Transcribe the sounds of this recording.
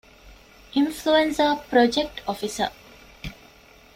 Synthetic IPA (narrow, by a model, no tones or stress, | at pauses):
ʔinfluensəpɾod͡ʒek̚ʈɔfisə̰